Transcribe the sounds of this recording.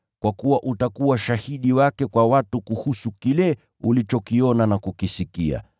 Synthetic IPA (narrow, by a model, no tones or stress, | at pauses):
kwakuwaʔutakuwaʃahiɗiwakɛkwawatukuhusukilɛ | ulit͡ʃɔkiɔnanakukisikia̰